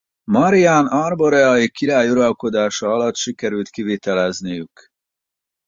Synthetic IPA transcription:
mɒɾiaːnɒrboɾɛɒikiɾaːjuɾɒlko̞d̪aːʃɒːlɒt̪ʃikɛɾylt̪kiveːt̪ɛlɛznijyk

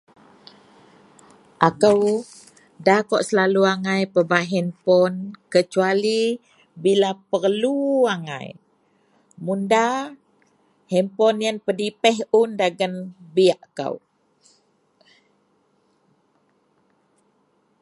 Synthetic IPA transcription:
ʔakəw | dakɔʔsəlaluaŋajpəbaɦɛmpɔnkət͡ʃuali | bilapərluaŋa̰j | munda | hɛmpɔnjanpədipɛɦundaɡənbiaʔka̰w

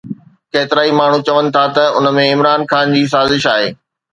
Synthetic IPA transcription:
keːt̪ɪɾaːimaːɳ̤ũt͡ɕɐʋənɪ̆t̪ʰat̪ɐʊ̰nə̆mẽɪmɾaːnxaːnd͡ʑiːs̬aːzɪʃaːɦeː

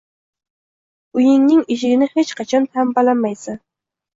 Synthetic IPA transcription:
ujɪŋnɪŋiʃɪɡʲɪnɪhet͡ʃqʰɑt͡ʃʰɑnt̪ʰæmbɑlɑnmɑjsɪ

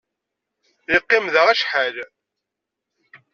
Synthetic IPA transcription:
iqːɪmðəʁæʃħal

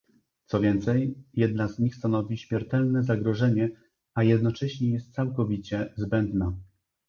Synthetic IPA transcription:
t̪sɔvʲjɛnt̪sɛjjɛd̪nazɲixst̪anɔvʲiɕmʲjɛɾt̪ɛlnɛzaɡɾɔʐɛɲɛ | ajɛd̪nɔt͡ʂɛɕɲɛjɛst̪t̪sawkɔvʲit͡ɕɛzbɛnd̪na

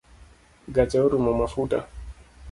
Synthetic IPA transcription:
ɡatɛɔɾumɔmafuta̰

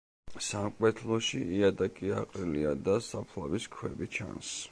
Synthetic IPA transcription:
samkʼwɛt̪ʰlˠɔʃiiad̪akʼiaqʼɾiliad̪asapʰlaviskʰwɛbit͡ʃʰa̰ns

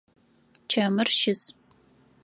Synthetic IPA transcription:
t͡ʃʰɐmɨrʃɪz

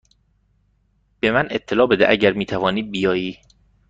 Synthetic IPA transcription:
b̥e̞mænʔet̪ʰːe̞lɒːbe̞d̪eʔæɟæɾmiːt̪ʰævɒːniːbijɒːjiː

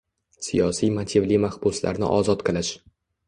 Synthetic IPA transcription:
sijɒsijmat̪ʰivlimahbʊsla̰ɾnɪ̰ʔɒzɒt̪qʰɨlaʃ

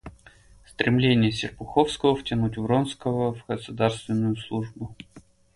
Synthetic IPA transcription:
st̪ɾʲʔɪmlʲenʲɪjəsʲɪrpʊxofskəvəftʲɪnutʲvɾonskəvəvɡəsʊd̪arst̪vʲɪnːʊjʊslˠuʐbʊ

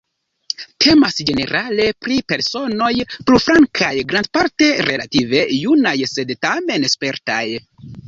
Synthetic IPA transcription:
tʰe̞masd͡ʒe̞ne̞̰ɾʔale̞pɾipe̞ɾso̞no̞jpɾufɾaŋkʰajɡɾand̚paɾte̞ɾe̞̰lative̞junajse̞dtame̞nespe̞ɾta̰j

